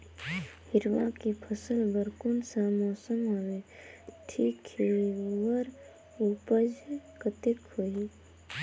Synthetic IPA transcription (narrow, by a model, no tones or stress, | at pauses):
hɪɾʋakipʰəsəlbəɾkunsamɔːsəmɦoweʈʰiːkhiwəɾ | upəd͡ʒkət̪ekhoi